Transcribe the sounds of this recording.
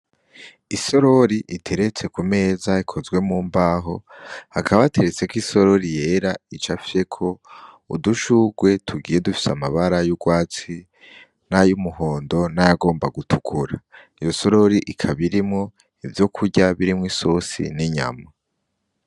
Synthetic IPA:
iso̞ɾo̞ɾiʔitʰe̞ɾe̞t͡se̞kume̞ːzaikʰo̞zɡwe̞muːmbaɦo̞hakʰaβaβate̞ɾet͡se̞kwiso̞ɾo̞ɾije̞ːɾait͡ʃafi̥ɾe̞kʰo̞ | ṵduʃuɡwe̞tʰuɡiːje̞dufi̥samaβaɾajuɡwaːt͡si | najumuɦo̞ːndo̞najaɡo̞ːmbaɡutʰukʰuɾa | ijo̞so̞ɾo̞ɾiʔikʰaβiɾimŋo̞ | ivjo̞kʰuɾɟaβiɾimŋisosḭniɲa̰ma

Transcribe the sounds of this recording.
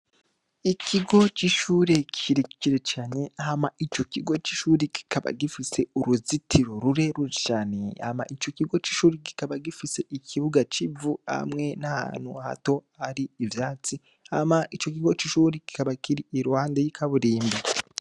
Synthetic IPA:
icʰiɡo̞t͡ʃiʃuːɾe̞kiɾici̥ciɾet͡ʃaːɲe̞hamait͡ʃo̞ciɡo̞t͡ʃiʃuːɾiki̥kʰaβa̰ɡifise̞uɾuzitʰiɾo̞ɾuɾe̞ɾuʃaːne̞ha̰ma̰ʔit͡ʃo̞ciɡo̞t͡ʃiʃuːɾiɡi̥kaβaɡifise̞ʔicʰiβuɡat͡ʃivuha̰mŋe̞naha̰ːn̥huaha̰to̞haɾiːvjaːt͡si | hamait͡ʃo̞kiɡo̞t͡ʃiʃuːɾiki̥kaβakiɾiʔiɾwaːndejikʰaβuɾiːmbe

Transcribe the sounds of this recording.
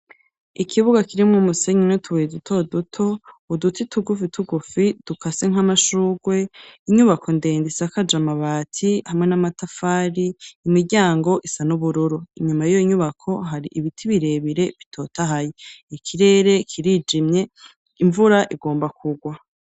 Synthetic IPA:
ikʰiβuɡakiɾimumuse̞ɲinotʰuwedutʰo̞dutʰo̞udutʰitʰuɡufitʰuɡufid̥ukʰaseŋ̥ɦamaʃuːɡwe̞iɲuβakʰo̞nde̞ːndisakad͡ʒamaβaːtʰihamŋe̞namatafaːɾiːmiɾɟaːŋɡo̞ʔisanuβuɾuɾuiɲumajijoiɲuβakʰo̞ɦaɾiʔiβitʰiβiɾe̞βiɾe̞βitʰo̞ːtaɦajeikʰiɾe̞ːɾe̞kʰiɾid͡ʒimɲe̞ | iɱvuɾaʔiɡo̞ːmbakʰuɡwa

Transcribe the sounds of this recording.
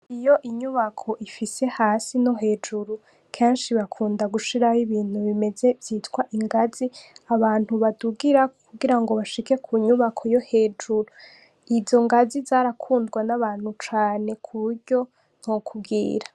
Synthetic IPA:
ijo̞ʔiɲuβakʰo̞ʔifise̞haːsinoɦe̞ːd͡ʒuɾu | kʰe̞ːnʃiβakʰuːndaɡuʃiɾahiβiːn̥huβime̞ze̞vjiːtɡwaʔiŋɡaziaβaːn̥huβaduɡiɾakuɡiɾaŋɡo̞βaʃike̞kʰuɲuβakʰojo̞he̞ːd͡ʒuɾu | izo̞ŋɡazizaːɾakʰuːndɡwanaβaːn̥hut͡ʃaːne̞kʰuβuɾɟo̞ | n̥hokʰubɡḭːɾḁ

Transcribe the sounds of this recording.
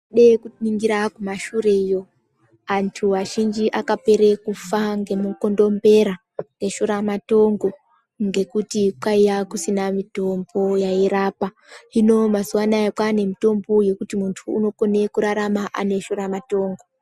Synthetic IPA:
ɗekuniŋɡiɾakumaʃuɾeijo̞ | antʰuʋaʒind͡ʒiʔakape̞ɾe̞kufaŋɡe̞muko̞ndo̞mbe̞ɾa | ne̞ʃoɾamato̞ŋɡo̞ | ŋɡe̞kutikwaijakusinamito̞mbo̞jaiɾapa | ino̞mazuwanaekwane̞mito̞mbo̞je̞kutimuntʰuːno̞ko̞ne̞kuɾaɾamaʔa̰ne̞ʃoɾamato̞ːŋɡo̞

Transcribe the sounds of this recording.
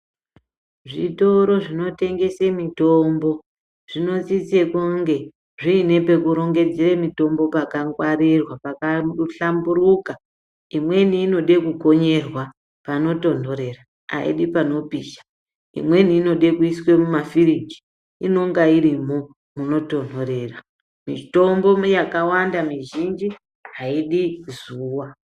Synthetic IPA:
ʐito̞ɾo̞ʐino̞te̞ŋɡe̞semito̞mbo̞ | ʐ̥ino̞t͡sit͡sekuŋɡe̞ | ʐiːne̞pe̞kuɾo̞ŋɡe̞d͡zeremito̞mbo̞pakaŋɡwaɾirwapakaɬambuɾuka | imwe̞niːno̞ɗe̞kuko̞ɲe̞rwa | pano̞to̞ndo̞ɾe̞ra | a̰ḭɗipano̞piːʃḁ | ḭmwe̞niːno̞ɗe̞kuiswe̞mumafiriɡi̥ | ino̞ŋɡaiɾimo̞ | muno̞to̞ndo̞ɾe̞ːra | mito̞mbo̞jakawandamiʒind͡ʒi | ɦaiɗizuːwa

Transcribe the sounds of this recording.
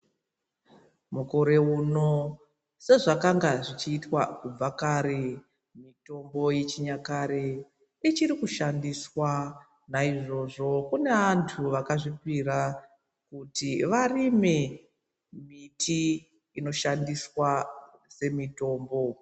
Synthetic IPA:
muko̞ɾe̞uno̞ | se̞ʐakaŋɡaʐit͡ʃiːtwakub͡vakaːɾe̞ | mito̞mbo̞jet͡ʃiɲakaɾe̞ | it͡ʃiɾikuʃandiswa | naiʐo̞ʐo̞kune̞antʰuʋakaʐipira | kutiʋarime̞ | mitʰiː | no̞ʃandiswase̞mito̞ːmbo̞

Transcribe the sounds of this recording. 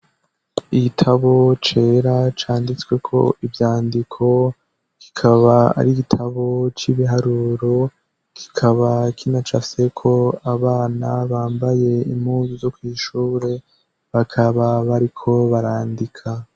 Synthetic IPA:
iɡitʰaβo̞t͡ʃe̞ːɾat͡ʃaːndit͡swe̞kʰo̞̰ʔivjaːndikʰo̞ | ki̥kʰaβaa̰ɾiɡitʰaβo̞t͡ʃiβiɦaɾuɾo̞ | ki̥kʰaβakʰinat͡ʃafse̞kʰo̞aβaːnaβaːmbaje̞imhuːzuzo̞kwiːʃuːɾe̞ | βakʰaβaβaɾikʰo̞βaɾaːndikʰa

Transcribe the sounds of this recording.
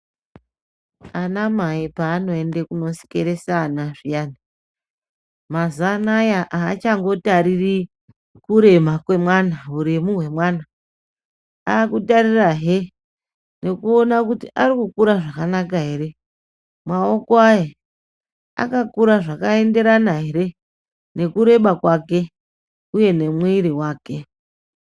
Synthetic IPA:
anamaipaːno̞e̞nde̞kuno̞si̥keɾesanaʐijaːni | mazanajaʔaːt͡ʃaŋɡo̞taɾiri | kuɾe̞makwe̞mwanauɾimuwe̞mwaːna | aːkutaɾiraɦe | ne̞kuo̞nakutiʔaɾikukuɾaʐakanakaɦe̞ɾe̞ | mwao̞koaje | a̰kakuɾaʐakae̞nde̞ɾanaɦe̞ɾe̞ | ne̞kuɾe̞ɓakwake̞ | uje̞ne̞mwiɾiwaːke̞

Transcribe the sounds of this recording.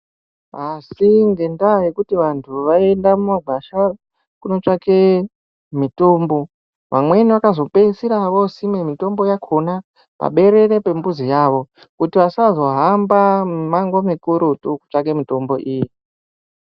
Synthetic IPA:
asiŋɡe̞ndaje̞kutiʋantʰuʋae̞ndamumaɡʱaʃa | kuno̞t͡ʂake̞ | mito̞ːmbo̞ | ʋa̰mwe̞niʋakazo̞pe̞isiɾaʋo̞simemito̞mbo̞jakʰo̞na | pa̰ɓe̞ɾe̞ɾe̞pe̞mbuzijaːʋo̞ | kutiʋasazo̞ɦambamaŋɡomekuɾutuku̥t͡ʂake̞mito̞mbo̞ʔiji

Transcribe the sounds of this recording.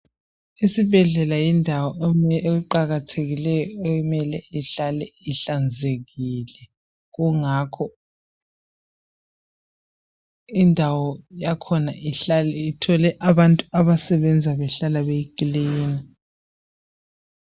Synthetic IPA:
isibʱɛɮɛlajindʱawɔeɣuǃaɣatʰeɣilɛjɔekumɛlɛiɬalɛiɬand͡zʱeɣilɛ | ɣuŋakʰɔ | indʱawɔjakʰɔnaʔiɬalɛitʰɔlɛʔaβantʼuaβasɛβɛnd͡zʱaβɛɬalaβeikʼliːna

